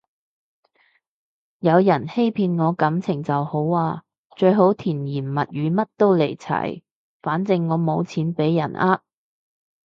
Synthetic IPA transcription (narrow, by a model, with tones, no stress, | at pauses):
jɐ˨˧wjɐ˨˩nhe˥jpʰiː˧nŋɔː˨˧kɐ˨˥mt͡sʰɪ˨˩ŋt͡sɐ˨who˨˥waː˧ | t͡ʃɵ˧ɥɦo˨˥wt̪ʰiː˨˩njiː˨˩nmɐ˨t̚ɥyː˨˧mɐ˥t̚t̪o˥wle˨˩jt͡sʰɐ̰˨˩j | faː˨˥nt͡sɪ˨ŋːɔː˨˧mo˨˧wt͡sʰiː˨˧˥npe˨˥jːɐ˨˩naː˥t̚